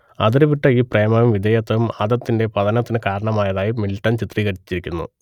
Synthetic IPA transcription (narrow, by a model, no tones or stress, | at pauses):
ɐðiɾuʋiʈːɐiːpre̞ːmɐjumʋid̪ʱjɐjɐt̪ːɐʋumaːd̪ɐt̪ːinde̞pɐðɐnɐt̪ːinɨkaːɾɐɳɐmaːjɐðaːjimiliʈːɐnt͡ɕit̪riːɣɐɾit͡ɕːit͡ɕːiɾikʲːunːṵ